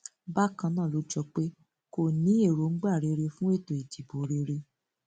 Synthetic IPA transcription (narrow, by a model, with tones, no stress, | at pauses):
ba˦˨kã˧nãː˦˨lo˨˦d͡ʒɔ˧k͡pe˦ | ko˦˨nĩ˨˦e˦˨ɾo˨˦ŋ̩˦ɡ͡ba˦˨ɾe˨˧˦ɾe˧fũ˦e˦˨to˨e˨ti˨bo˨ɾe˧ɾe˧